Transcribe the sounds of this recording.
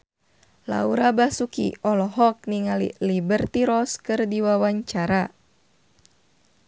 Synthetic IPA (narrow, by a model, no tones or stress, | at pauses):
la̰uɾabasukḭɔlɔɦɔk̚niŋalḭlibərt̪iɾɔskɨrdiwawaɲt͡ʃaɾa